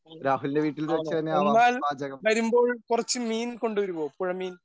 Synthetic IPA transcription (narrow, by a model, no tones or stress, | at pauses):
ɾaːɦulinde̞ʋiːʈːilt̪ɐt͡ɕɐt̪ɐnːeaɐnːaːlaːd͡ʑɐɣɐmʋɐɾumbo̞ːɭkurɐt͡ɕːɨmiːnko̞ɳɖuʋɐɾumoːpoːɻɐmiːn